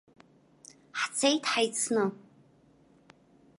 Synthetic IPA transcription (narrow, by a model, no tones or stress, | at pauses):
ħt͡sʰejtʰħajt͡sʰnɨ